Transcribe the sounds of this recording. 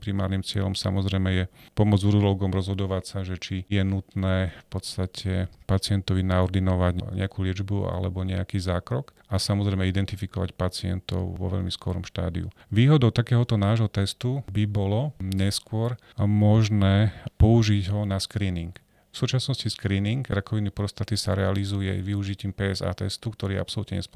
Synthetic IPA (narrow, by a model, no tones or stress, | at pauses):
pɾima̰ːɾnimt͡sɪɛ̰ʎɔmsa̰mɔzɾɛjmɛjɛpɔmɔd͡zuɾud̪ɔlɡɔmɾɔzɦɔd̪ɔʋacsaʒɛt͡ʃijɛnut̪nɛːfpɔt̪st̪acʰɛpat͡sɪɛnt̪ɔʋinaɔɾd̪inɔʋaɟɲɲɛ̰akulɪɛd͡ʒbua̰lɛ̰bɔɲɛakiːzaːkɾɔk | asamɔzɾɛjmɛid̪ɛnt̪ifikɔʋa̰cpat͡sɪɛ̰nt̪ɔ̰ʊʋɔ̰ʋɛ̰ʎmiskɔɾɔmʃt̪a̰ːd̪ḭṵ | ʋiːɦɔd̪ɔʊt̪akɛːɦɔt̪ɔnaːʒɦɔt̪ɛst̪ubibɔlɔɲɛskʊɔɾ | mɔʒnɛːpɔuʒiɟɦɔnaskɾiːniŋk | fsuːt͡ʃasnɔsciskɾiːniŋɡɾakɔʋinːipɾɔst̪at̪isa̰ɾɛalizujɛ̰ʋiuʒiciːmpɛːɛza̰ːt̪ɛst̪ukt̪ɔɾiɛ̰a̰psɔlut̪ɲɛɲɛ̰s